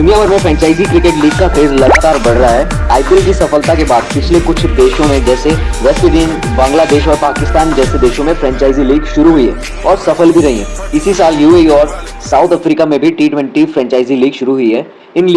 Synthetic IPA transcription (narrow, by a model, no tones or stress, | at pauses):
d̪ʊnijabɐɾmẽfɾɛ̃ːɲt͡ʃaːɪzikɾɪkeːʈliːɡ̚kakʰeːzlɐɡaːt̪aːɾbɐɽ̤ɾɐaɦɛ | aːɪpɪlkisɐfəlt̪akebaːd̪̚pɪt͡ʃʰlekʊt͡ʃʰd̪eːʃõmẽd͡ʒɛːseʋɛːsid̪inbãːŋɡlad̪eːʃɔːɾpaːkɪst̪aːnd͡ʒɛːsed̪eːʃõmẽfɾɛ̃ːɲt͡ʃaːɪziliːɡʃʊɾuɦʊiɦɛ̰ː | ɔːɾsɐfəlbʱiɾɐɦḭ̃ɦɛ̰̃ːɪsisaːljuːeːɔːɾ | saːʊt̪ʰɐfɾiːkamẽbʱiʈiːʈwɛ̃ɳʈifɾɛ̃ːɲt͡ʃaːɪziliːɡʃʊɾuɦʊiɦɛː | ɪnli